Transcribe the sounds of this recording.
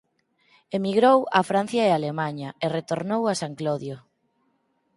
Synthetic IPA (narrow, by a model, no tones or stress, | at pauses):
emiɣɾowafɾanθjaealemaɲɐeret̪oɾnowasaŋkloðjo